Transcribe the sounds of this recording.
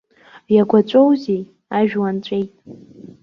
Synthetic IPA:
jaɡʷat͡ʃʷʼowzij | aʒᶣwant͡ɕʷʼe̞jtʼ

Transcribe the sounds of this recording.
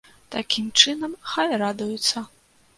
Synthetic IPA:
t̪akʲimt͡ʂɨnɐmxajrad̪ujut̪sːɐ

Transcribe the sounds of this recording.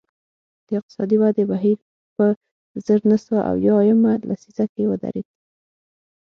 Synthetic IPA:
d̪̥əɪq̚t̪ɪ̥sɑd̪iwad̪ebaɦiɾ | pə | zəɾnasəwaʔa̰wjɑjamalʔa̰sizakewəd̪a̰ɾed̪̚

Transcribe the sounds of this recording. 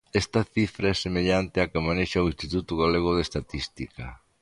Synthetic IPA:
ɛst̪ɐθifɾaɛsemeʎant̪ɪakɪmanejʃaoĩst̪it̪ut̪ʊɣaleɣ̞ʊð̞est̪at̪ist̪ikɐ

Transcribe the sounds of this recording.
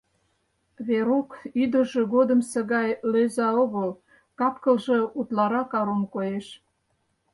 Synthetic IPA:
βeɾokyd̪ə̆ʒĕɣod̪əmsə̆ɣɑjløzɑoɣəl | kɑpkəlʒĕut̪lɑɾɑkɑɾomkojeʃ

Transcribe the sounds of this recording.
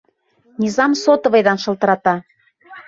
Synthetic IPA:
nʲizɑmsot̪ə̆βejd̪ɑnʃɤ̆lˠt̪ə̆ɾɑt̪ɑ

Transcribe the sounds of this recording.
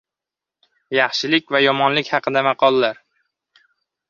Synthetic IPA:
jɑχʃɪlɪkʲvajɒmɒnlɪkʲhɑqʰɨd̪amɑqʰɒlˠːaɾ

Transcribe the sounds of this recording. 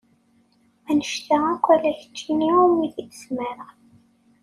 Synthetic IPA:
ænəʃt̪aækʷːælæçə̥t͡ʃːiniʊɾmiθiθə̥smæɾəʁ

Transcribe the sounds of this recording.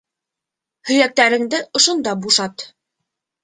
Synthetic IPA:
hɵ̆jæk̚t̪æɾɘ̆ŋd̪ɘʔŏʃŏnd̪ɑbuʃɑt̪

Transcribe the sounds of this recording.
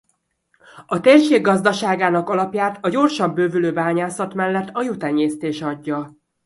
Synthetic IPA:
ɒt̪eːrʃeːɡːɒzd̪ɒʃaːɡaːnɒkɒlɒpjaːt̪ʰɒɟo̞rʃɒmbøːvyløːbaːɲaːsɒt̪mɛlːɛt̪ːɒjut̪ɛɲːeːst̪eːʃɒɟːɒ

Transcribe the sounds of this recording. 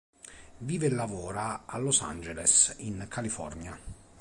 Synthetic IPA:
viːvelːavɔːɾaalːosa̰nd͡ʒelḛsinkʰalifɔ̰rnja

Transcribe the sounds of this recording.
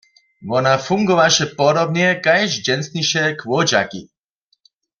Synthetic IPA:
vɔnafuŋɡɔʋaʃɛpɔɾɔbnɛkajʃd͡ʒɛnsniʃɛkʋɔd͡ʑa̰kḭ

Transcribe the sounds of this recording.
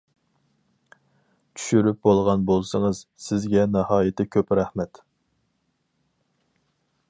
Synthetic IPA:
t͡ʃʰy̥ʃyɾyp̚bolˠʁɑnbolˠsɨŋɨzsɪzɡʲɛnɨhɑːjɪt̪ʰɪkʲʰøpɾæhmɛt̪

